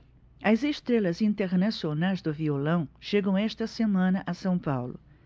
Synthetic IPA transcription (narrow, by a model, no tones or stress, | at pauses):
ɐzeʃt̪ɾelɐzĩnt̪eɾnasionajzd̪ʊviolɐ̃w̃ʃeɡɐ̃w̃ɛʃt̪ɐsemɐ̃nɐʔɐsɐ̃w̃pawlʊ̰